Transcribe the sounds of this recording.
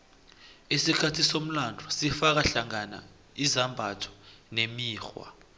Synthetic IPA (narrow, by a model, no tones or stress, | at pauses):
isikʰatʰisom̩landʱɔsifak̬aɬaŋana̰ | izambʱatʰɔ̥nemiːxwa̰